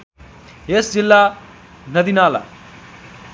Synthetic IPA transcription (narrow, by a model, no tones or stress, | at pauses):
esd͡zilːa | nɐd̪inaːla̰